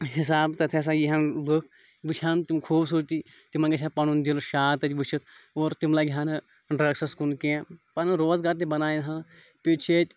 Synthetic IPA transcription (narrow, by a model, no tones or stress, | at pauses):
ɦis̬aːbt̪ɐt̪ʰes̬ajiɦɐnlɨkʰ | ʋɨt͡ʃʰaːnt̪imkʰuːbsuɾt̪iː | t̪imãŋɡʲɐt͡ʃʰʲapɐnund̪ilʃaːt̪ɐt͡ʃʲʋɨt͡ʃʰit̪ʰoːɾt̪imlaːɡʱʲjaːnɨ | ɖɾɐksɐskunkepɐnɨɾoːzɡaːɾt̪̬ibɐnaːjinɦɐ | pit͡ʃʰeːt̪ʲ